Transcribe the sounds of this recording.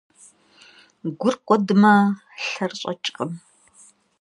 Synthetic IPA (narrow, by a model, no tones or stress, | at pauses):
ɡʷʊrqʷʼɔdɨmɐ | ɬɐrɕʼɐ̰t͡ʃʼqʼəm